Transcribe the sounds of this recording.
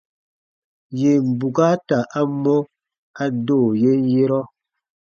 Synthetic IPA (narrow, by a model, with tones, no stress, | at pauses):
je˨m̩˨bu˨ɡa˦ta˨ʔa˦mɔ˦ | a˦doː˦˨je˦n˦je˦ɾɔ˦